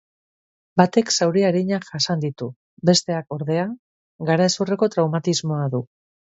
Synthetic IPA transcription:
bat̪e̞ksawɾiaɾiɲaʝasand̪it̪u | be̞st̪e̞ako̞ɾðe̞a | ɡaɾaesure̞ko̞t̪ɾawmat̪izmo̞aðu

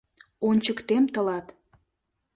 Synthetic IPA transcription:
onʲt͡ɕəkt̪emt̪ə̆lɑt̪

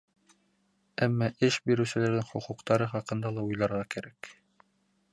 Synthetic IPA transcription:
æmːɑʔɘʃbiɾɘ̆wsɘ̆læɾd̪ɘŋχŏquqt̪ɑɾɤχɑqɤ̆nd̪ɑlˠɑujlˠɑɾʁɑkæɾæk

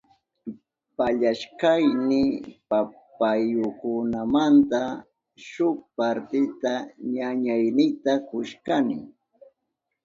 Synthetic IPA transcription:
paʎaʃkajnɪpapajʊkʊnamant̪a | ʃʊk̚paɾt̪ɪt̪aɲaɲajnɪt̪akʊʃkanɪ̰

